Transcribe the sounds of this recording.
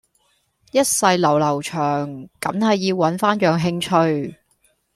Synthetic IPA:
jɐ˥t̚sɐ˧jlɐ˨˩wlɐ˨˩wt͡ʃʰœː˨˩ŋkɐ˨˥mhɐ˨jːiː˧wwɐ˨˥nfaː˥njœː˨ŋɦɪ˧ŋt͡ʃʰɵ˧ɥ

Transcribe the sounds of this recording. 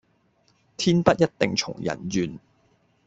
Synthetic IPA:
t̪ʰiː˥npɐ˦˥t̚jɐ˥t̚t̪ɪ˨ŋt͡ʃʰʊ̰˨˩ŋjɐ̰˨˩njyː˨˧n

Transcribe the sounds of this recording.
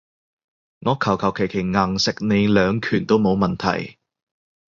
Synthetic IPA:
ŋɔː˨˧kʰɐ˨˩wkʰɐ˨˩wkʰe˨˩jkʰe˨˩jŋaː˨˩ŋsɪ˨k̚ne˨˧jlœː˨˧ŋkʰyː˨˩nt̪o˥wmo˨˧wmɐ˨nt̪ʰɐ̰˨˩j

